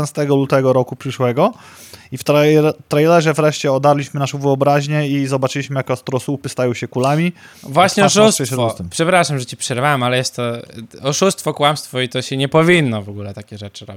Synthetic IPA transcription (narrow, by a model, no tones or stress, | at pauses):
nst̪ɛɡɔlut̪ɛɡɔɾɔkupʂɘʂwɛɡɔ | ift̪ɾt̪ɾajlɛʐɛvɾɛʂt͡ɕɛɔd̪aɾlʲiɕmɘnaʂɛvɘɔbɾaʑɲɛizɔbat͡ʂɘiɕmɘjakast̪ɾɔsupɘst̪ajɔwɕɛkulamʲivwaɕɲɛɔʂusɛɕɾfɔɛmpʂɛpɾaʂamʐɛt͡ɕipʂɛɾvawɛmalɛjɛst̪ːɔɔʂust̪fɔkwamst̪fɔit̪ɔɕɛɲɛpɔvʲinːɔvɔɡulɛt̪akʲɛʐɛt͡ʂɨɾɔbʲi